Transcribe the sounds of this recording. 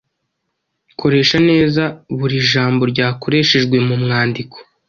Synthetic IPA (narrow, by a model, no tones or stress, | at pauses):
kʰo̞ɾe̞ːʃane̞ːzaβuɾiʒaːmbo̞ɾɟaːko̞ɾe̞ʃeʒɡwe̞mumŋaːndikʰo̥